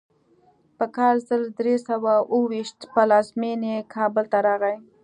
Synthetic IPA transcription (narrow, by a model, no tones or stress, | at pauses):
pəkɑlzəld̪ɾesawaʔəwiʃt̪pəlɑzmenekʰɑbəlt̪aɾɑɣaj